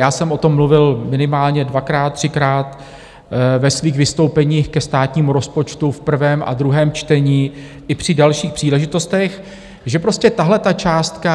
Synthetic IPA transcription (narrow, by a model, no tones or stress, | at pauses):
jaːsɛmʔo̞t̪o̞mːluvɪlmɪnɪmaːlɲɛdvakɾaːt̪̚ːr̝̥ɪkɾaːt̪ | vɛsviːxvɪst̪o̞wpɛɲiːxkɛst̪aːt̪ɲiːmuɾo̞spo̞t͡ʃt̪ufpr̩vɛːmʔa̰d̪ɾuɦɛːmt͡ʃt̪ɛɲiː | ʔɪpr̝̥ɪdalʃiːxpr̝̥iːlɛʒɪt̪o̞st̪ɛx | ʒɛpɾo̞scɛt̪aɦlɛt̪at͡ʃaːst̪ka